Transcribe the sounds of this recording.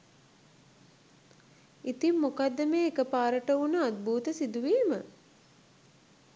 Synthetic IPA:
it̪imːukad̪ːəmeːekəpaːɾəʈəunəad̪̚buːt̪əsid̪uʋiːmə

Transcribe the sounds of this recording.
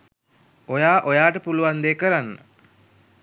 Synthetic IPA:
ojaːʔojaːʈəpuluʋand̪eːkəɾanːə̰

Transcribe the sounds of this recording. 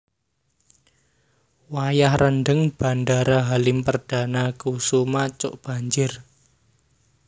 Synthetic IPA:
wajahrʔənɖəŋb̥a̤ndaɾaɦalɪmpərd̥a̤nakusumat͡ʃʊ̰ʔb̥a̤ɲd͡ʒɪr

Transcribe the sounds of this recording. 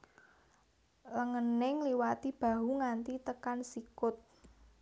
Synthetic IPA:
ləŋənɪŋliwat̪ib̥a̤ɦuŋant̪it̪əkansikʊt̪̚

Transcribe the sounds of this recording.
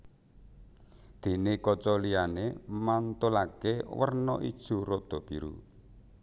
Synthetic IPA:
d̪̥e̤nekɔt͡ʃɔlianemant̪ulakewərnɔ̰ʔḭd̥ʒ̥ṳɾod̪̥ɔ̤b̥iɾṵ

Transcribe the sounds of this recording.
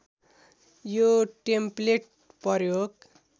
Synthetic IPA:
joʈempleʈ̚ | pʌɾjoɡ

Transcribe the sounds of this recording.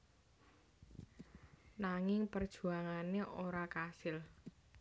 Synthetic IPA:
naŋɪŋpərd̥ʒ̥ṳaŋaneʔoɾakasɪl

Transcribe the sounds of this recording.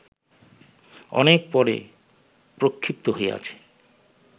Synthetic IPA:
ɔ̰nek̚pɔɾḛ | pɾokʰːip̚t̪oɦoḛa̰t͡ɕʰe̥

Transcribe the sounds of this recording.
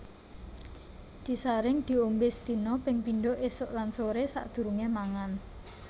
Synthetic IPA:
d̪̥i̤saɾɪŋd̪̥i̤ombɪsd̪̥i̤nɔpɪŋpinɖoʔesʊʔlansoɾesa̰ʔd̪̥ṳɾuŋemaŋan

